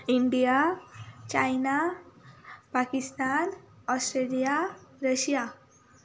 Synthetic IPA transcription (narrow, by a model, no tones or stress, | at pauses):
iɳɖija | t͡ɕajna | pakist̪anɔsʈɾelijaɾəɕija